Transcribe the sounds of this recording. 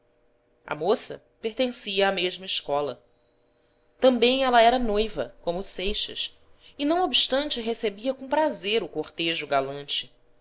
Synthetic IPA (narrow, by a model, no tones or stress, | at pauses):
ɐ̰mosɐ̰ | peɾt̪ẽsiɐameʒmɐiʃkɔlɐ | t̪ɐ̃mbẽj̃ɛlɐɛɾɐnojvɐ̰kõmʊsejʃɐ̰s | ɪnɐ̃w̃obiʃt̪ɐ̃nt͡ʃɪɦesebiɐkõpɾazeɾʊkoχt̪eʒʊɡalɐ̃nt͡ʃɪ̥